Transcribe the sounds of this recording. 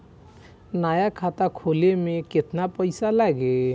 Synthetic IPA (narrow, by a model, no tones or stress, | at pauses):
najakʰat̪akʰolemeket̪napɔjsalaɡe